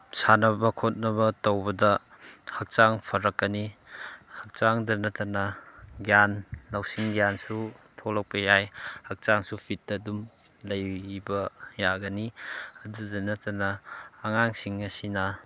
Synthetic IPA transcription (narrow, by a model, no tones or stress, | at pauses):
sanɐbɐkʰot̚nɐβɐtɐwbɐdɐ | hɐk̚t͡ʃaŋpʰɐɾɐkːɐni | hɐk̚t͡ʃaŋdɐnɐtɐnɐɡjanlawsiŋɡjansutʰolɐk̚pɐjajhɐk̚t͡ʃaŋsupʰitːɐdum | lɐjbɐjaɡɐniɐdudɐnɐtɐnɐːŋaŋsiŋɐsinɐ